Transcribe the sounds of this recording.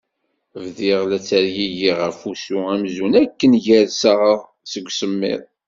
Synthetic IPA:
vðiʁlæt͡sːæɾjiʝiʁæfusuæmzunækːənʝæðsaʁəðˤ | səɡʷːsəmːɪ̰ðˤ

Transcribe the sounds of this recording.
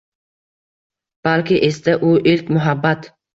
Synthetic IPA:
b̥alkʲɪʔest̪aʔʊʔɪlkʲmʊɦabːat̪

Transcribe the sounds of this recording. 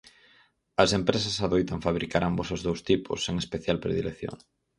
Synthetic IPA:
ɐsempɾesɐsaðojt̪aɱfaβɾikaɾambosʊzðowst̪ipʰʊ̰seŋespeθjalpɾḛðḭlḛkθjo̰ŋ

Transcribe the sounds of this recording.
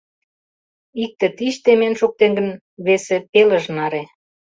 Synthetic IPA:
ik̚t̪ĕt̪iʃt̪emenʃuk̚t̪eŋɡə̆n | βesepeləʒnɑɾe

